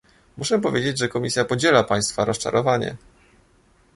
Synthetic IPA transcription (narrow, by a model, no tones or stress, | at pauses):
muʂɛpɔvʲjed͡ʑed͡ʑʐɛkɔmʲisʲjapɔd͡ʑɛlapaj̃st̪faɾɔst͡ʂa̰ɾɔvaɲɛ̰